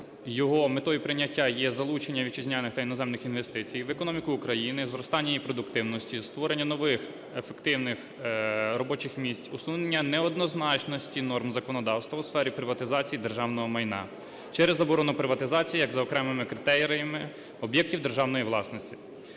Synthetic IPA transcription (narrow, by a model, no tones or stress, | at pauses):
jɔɦɔmet̪ɔjipɾɪnʲːɐtʲːajɛzɐlˠut͡ʃenʲːɐʋʲit͡ʃizʲnʲanɪxt̪ɐinɔzɛmnɪxinʋest̪ɪt͡sʲijʋekɔnɔmʲikʊːkɾɐjinɪzɾɔst̪ɑnʲːɐjipɾɔd̪ʊkt̪ɪwnɔsʲtʲist̪ʋɔɾenʲːɐnɔʋɪx | efekt̪ɪwnɪx | rɔbɔt͡ʃɪxmʲisʲt͡sʲʊsˠunenʲːɐnɛɔd̪̚nɔznɑt͡ʃnɔsʲtʲinɔrmzɐkɔnɔd̪ɑwst̪ʋɐwsfɛɾʲipɾɪʋɐt̪ɪzɑt͡sʲijid̪erʒɑwnɔɦɔmɐjnɑ̰ | t͡ʃɛɾezɐbɔɾɔnʊpɾɪʋɐt̪ɪzɑt͡sʲijijɐɡzɐɔkɾɛmɪmɪkɾɪt̪ɛɾɾɐjɐmɪ | ɔbjɛk̚tʲiwd̪erʒɑwnɔjiʋlˠɑsnɔsʲtʲi